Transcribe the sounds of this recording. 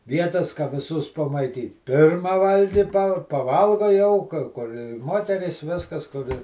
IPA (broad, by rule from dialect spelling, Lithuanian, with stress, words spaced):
ˈʋʲiɛtɐs kɐ ʋʲɪˈsʊs pɐmɐɪˈtʲiːt ˈpʲɪrmɐ ˈʋɐlʲɡʲɪ pɐ pɐˈʋɐlˠɡoː jɛʊ kɐ ˈkʊr ˈmoːtʲɛrʲiːs ˈʋʲɪskɐs kʊr ɪ